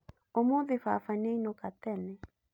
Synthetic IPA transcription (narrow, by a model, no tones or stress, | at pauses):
omoðɪfa̰faneinokat̪ɛnɛ